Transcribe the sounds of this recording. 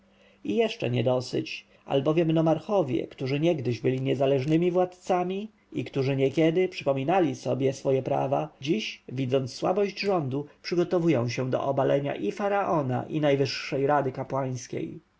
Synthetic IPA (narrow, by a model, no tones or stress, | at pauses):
ijɛʂt͡ʂɛ̰ɲɛd̪ɔsɘ̰t͡ɕ | a̰lbɔvʲjɛmnɔmaɾxɔvʲjɛ̰kt̪uʐɘɲɛɡd̪ɘʑbɘlʲiɲɛzalɛʐnɘmʲivwat̪t̪samʲi | ikt̪uʐɘɲɛkʲɛd̪ɘpʂɘpɔmʲinalʲisɔbʲjɛsfɔjɛpɾa̰va̰d͡ʑiɕvʲid̪zɔnt̪sːwa̰bɔʑd͡ʑʐɔnd̪upʂɘɡɔt̪ɔvujɔ̃w̃ɕɛ̃d̪ɔ̰ʔɔbalɛɲa̰ʔifaɾaʔɔna̰ʔinajvɘʂːɛjɾad̪ɘkapwaj̃skʲḛj